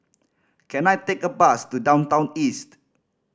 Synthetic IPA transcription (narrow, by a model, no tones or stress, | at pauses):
kʰɛ̃najt̪ekəbastudãw̃ntãw̃nist